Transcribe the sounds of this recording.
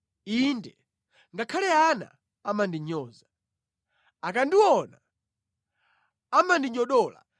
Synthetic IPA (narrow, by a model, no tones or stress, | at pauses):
indɛ | ŋɡakʰalɛana̰ | amandiɲɔːza | akandiwɔna | amandiɲɔɗɔːla̰